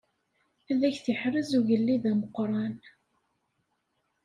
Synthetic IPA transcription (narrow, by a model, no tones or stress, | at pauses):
æðæçθiħɾəzuʝəlːiðæməqːɾˤɑn